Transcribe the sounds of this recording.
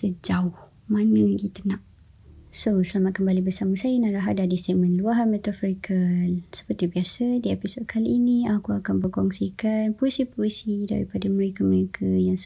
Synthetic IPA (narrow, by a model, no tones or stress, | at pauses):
səd͡ʒaʊh | mãnə̃ɡit̪ənãʔ | sosəlamat̪̚kəmbalibəsaməsajənaɾaɦadadist̪eʔ̚mə̃nluaɦanmɛt̪afɾikʰəsə̥pərt̪ibiasədiepisɔt̪̚kʰaliːniakuakanbərkɔŋsikanpoisipoisida̰ɾipadaməɾekaməɾekʰajaŋs